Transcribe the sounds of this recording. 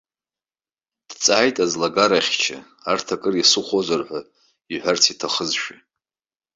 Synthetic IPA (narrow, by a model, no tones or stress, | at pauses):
d̥t͡sʼajtʼazlaɡaɾaχʲt͡ʃʰɪ̰ | artʰakʼɨrisɨχʷozʷarħʷa | iħʷart͡sʰitʰaχəzʃᶣi